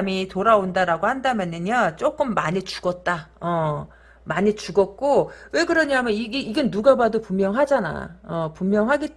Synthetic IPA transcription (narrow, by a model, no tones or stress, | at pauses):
mitoɾaondaɾaɡohandamjʌnɯnat͡ɕ͈ok͈ɯmːaɲit͡ɕu̥ɡʌt̚t͈aʌ | maɲit͡ɕuɡʌt̚k͈owe̞kɯɾʌɲiɦamjʌniɡeiɡʌnduɡabadopumjʌŋɦad͡ʑana̰ʌpumːjʌŋɦaɡe